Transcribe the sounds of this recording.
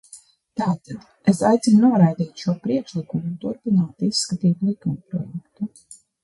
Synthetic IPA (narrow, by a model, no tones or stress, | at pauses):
t̪aːt̪ad̪ | esajt̪sinnuɔɾajd̪iːt̪ʃuɔpɾiɛkʃlˠikumuːnt̪uɾpinaːt̪isːkat̪iːt̪lˠikumpɾɔ̰jɛkt̪u